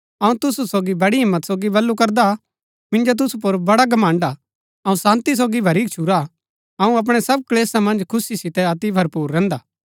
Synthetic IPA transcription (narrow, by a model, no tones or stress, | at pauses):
ɐũt̪ʊsusoːɡibɐɽiɦɪmːət̪soːɡibɐlːukɐɾd̪a | mɪ̃nd͡ʒot̪̬ʊsup̬oɾbɐɽaɡɐmãːɳɖa | ɐũsãːnt̪is̬oːɡibʱɐɾiːk̚t͡ʃʰuɾa | ɐũɐp̬ɽ̃ɛsɐb̚kɐleːsamɐ̃nd͡ʒkʰʊsisɪt̪ɛɐt̪ibʱɐɾpuːɾːɛ̃ːnd̪aː